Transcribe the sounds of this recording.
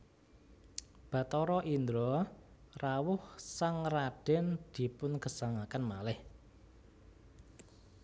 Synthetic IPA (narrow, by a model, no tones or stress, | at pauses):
b̥ä̤t̪ɔɾɔʔind̪ɾɔ | rawʊhsaŋraɖ̥ɛnd̪̥i̤pʊnɡə̤saŋakanmalɪh